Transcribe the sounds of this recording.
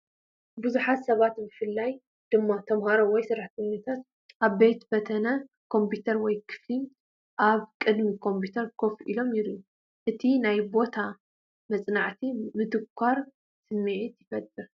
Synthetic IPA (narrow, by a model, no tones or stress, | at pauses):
bɨzuħat̪sɐβat̪bɨfɨlːaj | d̪̥ɨmːat̪ʰɐmhaɾowɔjsɨɾaħt̪ʰɛɲːɐt̪ʰat̪ | ʔaβbe̞t̪bɐt̪ʰɐnɐ | kʰo̞mpʰut̪ʰɐɾwɔjkʰɨ̥fli | ʔaβkʼɨd̪mikʰo̞mpʰut̪ʰɐɾkʰo̞fʔilo̞mjɪɾu | ʔɨt̪ʰinajbo̞t̪ʰa | mɐt͡sʼnaʕt̪ʰimɨt̪ʰɨkʷʰːaɾ | sɨmːiʕit̪jɪfɐt̪ʼːɨɾ